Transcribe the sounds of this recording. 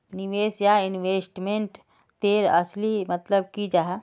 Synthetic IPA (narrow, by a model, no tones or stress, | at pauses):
niʋeːsjaɪnʋeːsʈmẽɳʈ | t̪eːɾɐ̰slimɐt̪ləb̚kid͡ʒaɦ